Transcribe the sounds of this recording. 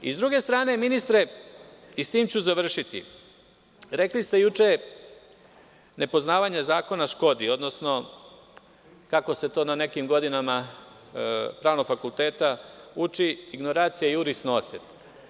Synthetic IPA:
ḭzd̪ɾuɡe̞st̪ɾaːne̞minist̪ɾe̞ | ist̪iːmt͡ɕuzaʋr̩ʃit̪ḭ | ɾe̞klist̪e̞jut͡ʃe̞ | ne̞po̞znaːʋaɲazaːko̞naʃko̞d̪io̞d̪nosno̞ | kako̞se̞t̪o̞ːnane̞kimɡo̞d̪inama | pɾaːʋnoɡfakulˠt̪e̞ːt̪aut͡ʃiiɡno̞ɾaːt̪sijaiuɾisno̞t̪set̪

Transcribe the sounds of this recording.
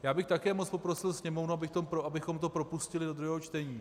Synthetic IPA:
jaːbɪxt̪akɛːmot͡spo̞pɾo̞sɪlsɲɛmo̞vnuabɪxkt̪opɾoʔabɪxo̞mt̪opɾo̞puscɪlɪdod̪ɾuɦɛːɦo̞t͡ʃt̪ɛɲiː

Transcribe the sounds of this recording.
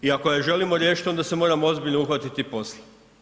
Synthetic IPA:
iakojeʒe̞limo̞ɾjeʃi̥t̪o̞nd̪ase̞mo̞ːɾamoo̞zbiʎnouxʋat̪it̪ipo̞sle

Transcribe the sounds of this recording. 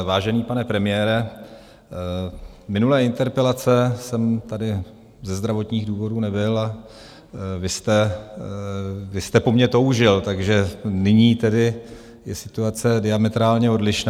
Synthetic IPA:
vaːʒɛniːpanɛpɾɛmɪjɛːɾɛ | mɪnulɛːɪnt̪ɛɾpɛlat͡sɛsɛmt̪adɪ | zɛzd̪ɾavo̞t̪ɲiːɣduːvo̞duːnɛbɪla | vɪst̪ɛ | vɪst̪ɛpo̞mɲɛt̪o̞wʒɪlt̪aɡʒɛnɪɲiːt̪ɛdɪ | jɛsɪt̪uat͡sɛdɪamɛt̪ɾaːlɲɛo̞dlɪʃn

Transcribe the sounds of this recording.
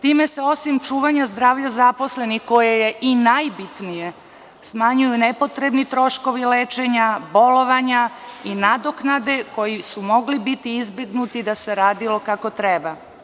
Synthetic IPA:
t̪iːme̞se̞o̞simt͡ʃuːʋaɲazd̪ɾaːʋʎazapo̞sle̞nixko̞jeje̞ʔinajbit̪nije̞ | smaɲujunepo̞t̪ɾebnit̪ɾo̞ʃko̞ʋileːt͡ʃe̞ɲabo̞lo̞ʋaɲainad̪oknad̪e̞ko̞jisumo̞ɡlibit̪iizbe̞ɡnut̪id̪ase̞ɾaːd̪ilo̞kako̞t̪ɾeba

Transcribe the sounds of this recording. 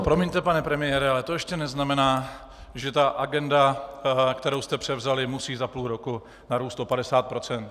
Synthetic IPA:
pɾo̞mɪɲt̪ɛpanɛpɾɛmɪjɛɾɛalɛt̪ojɛʃcɛnɛznamɛnaː | ʒɛt̪aʔaɡɛndakt̪ɛɾowst̪ɛpr̝̥ɛvzalɪmusiːzapluːɾoku | naɾuːst̪o̞padɛsaːt̪̚pɾo̞t͡sɛnt̪

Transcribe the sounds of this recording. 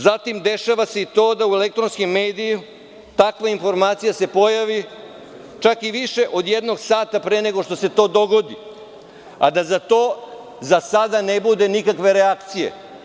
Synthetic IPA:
zat̪imd̪e̞ʃaʋase̞it̪o̞ːd̪aue̞lek̚t̪ɾo̞nskimːeːd̪iju | t̪akʋainfo̞ɾmaːt̪sijase̞po̞jaʋi | t͡ʃakiʋiʃe̞ʔo̞d̪jed̪no̞ɡsaːt̪apɾeːne̞ɡo̞ʂt̪o̞se̞t̪o̞ːd̪o̞ɡo̞d̪i | a̰d̪azat̪o̞ː | zasad̪anebud̪e̞nikakʋe̞ɾeakt̪sijḛ

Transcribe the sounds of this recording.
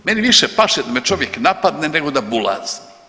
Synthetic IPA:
meniʋiʃepaʃed̪amet͡ʃoʋjeknapad̪neneɡod̪abula̰ːz̥i̥

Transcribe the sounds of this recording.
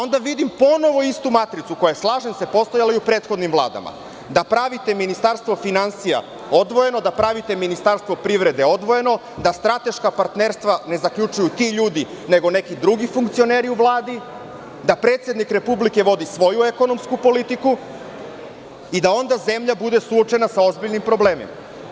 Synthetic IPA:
ao̞nd̪aʋid̪impo̞no̞ʋo̞ist̪umat̪ɾit̪suko̞jaeslˠaːʒe̞nse̞po̞st̪o̞jalaijupɾe̞ːt̪xo̞d̪nimvlˠa̰ːd̪a̰ma̰ | d̪apɾaʋit̪e̞minist̪aɾst̪ʋo̞finansija̰ | o̞d̪ʋo̞je̞no̞d̪apɾaʋit̪e̞minist̪aɾst̪ʋo̞pɾiʋɾe̞d̪e̞o̞d̪ʋo̞je̞no̞ | d̪ast̪ɾat̪e̞ʃkapaɾt̪neɾst̪ʋane̞zakʎut͡ʃujut̪iʎuːd̪i | ne̞ɡo̞ne̞kid̪ɾuɡifuŋkt̪sio̞ne̞ːɾiuvlˠaːd̪i | d̪apɾe̞ːt̪sjed̪nikɾe̞publike̞ʋo̞d̪isʋo̞jueko̞no̞mskupo̞lit̪iku | id̪ao̞nd̪aze̞mʎabud̪e̞suo̞t͡ʃe̞nasao̞zbiʎnimpɾo̞ble̞ːmḭma̰

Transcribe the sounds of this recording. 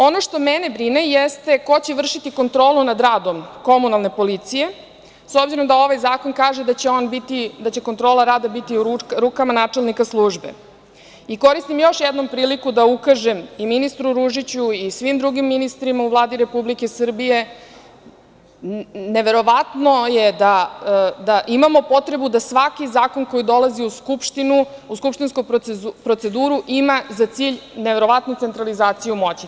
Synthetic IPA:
o̞noʃt̪o̞menebɾinejest̪e̞ko̞t͡ɕeʋr̩ʃit̪iko̞nt̪ɾo̞ːlˠunad̪ɾaːd̪o̞mko̞munalˠne̞po̞lit̪sije̞ | sobziɾo̞md̪ao̞ʋajzaːko̞nkaːʒed̪at͡ɕeonbit̪id̪at͡ɕe̞kont̪ɾoːlaɾaːd̪abit̪iɾukamanaːt͡ʂelnikaslˠuːʒbḛ | iko̞ɾist̪imjo̞ʃjɛd̪no̞mpɾiːlikud̪aukaʒemiminist̪ɾuɾuʒit͡ɕuisʋimd̪ɾuɡimːinist̪ɾimauvlˠaːd̪iɾe̞publikesr̩bije̞ | ne̞ʋe̞ɾo̞ʋat̪nojed̪ad̪aʔimamo̞po̞t̪ɾe̞bud̪asʋakizaːko̞nko̞jid̪o̞laziuskupʃt̪inuuskupʃt̪inskupɾo̞t̪se̞d̪uːɾuʔimazat̪siːʎneʋe̞ɾo̞ʋat̪nut̪se̞nt̪ɾalizaːt̪sijumo̞t͡ɕi

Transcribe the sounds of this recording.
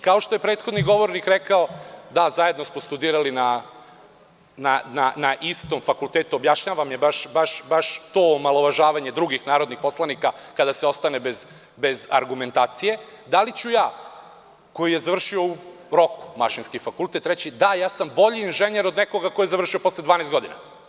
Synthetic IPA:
kao̞ʃt̪o̞je̞pɾe̞ːt̪xo̞d̪niɡo̞ʋo̞ɾnikɾekaod̪azaje̞d̪nosmost̪ud̪iːɾalina | nananaʔist̪o̞mfakulˠt̪eːt̪uobjaʃɲaːʋamjebaʃbaʃbaʃt̪oːmalˠoʋaʒaːʋaɲed̪ɾuɡixnaːɾod̪nixpo̞slˠanikakad̪aseo̞st̪ane̞bez | be̞za̰ɾɡume̞nt̪aːt̪sije̞ | d̪alit͡ɕujaː | ko̞jije̞zaʋr̩ʃio̞u | ɾo̞ku̥maʃinskifakult̪e̞t̪ɾet͡ɕid̪ajaːsambo̞ʎiːnʒeɲeɾod̪neko̞ɡakojezaʋr̩ʃio̞po̞slˠed̪aːneːst̪ɡo̞d̪ina̰

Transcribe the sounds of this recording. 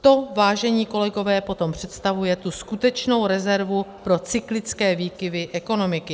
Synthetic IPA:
t̪o̞vaːʒɛɲiːko̞lɛɡo̞vɛːpo̞t̪o̞mpr̝̥ɛt̪st̪avujɛt̪uskut̪ɛt͡ʃno̞wɾɛzɛɾvupɾo̞t͡sɪklɪt͡skɛːviːkɪvɪʔɛko̞no̞mɪkɪ

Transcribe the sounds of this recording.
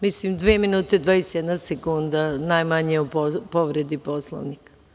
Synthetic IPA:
mislimd̪ʋeːminuːt̪ed̪ʋaesjed̪nasekund̪anajmaɲeupopo̞ʋɾed̪iposlˠo̰ʋnik

